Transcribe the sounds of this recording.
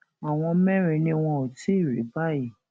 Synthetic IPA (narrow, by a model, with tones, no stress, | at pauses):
a˨w̃ɔ̃˧˦mɛ̃˦ɾ̃ĩ˧nĩ˧w̃ɔ̃˧o˨ti˦i˦˨ɾḛ˨˦ba˦˨ji˦˨